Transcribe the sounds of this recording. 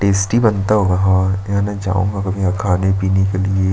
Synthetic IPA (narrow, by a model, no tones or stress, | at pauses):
ʈeːsʈibɐnt̪aɦoːɡaɦãːãnɛd͡ʒa̰ːṵ̃ːŋɡakɐbʱiɐkʰaːnepiːnekelie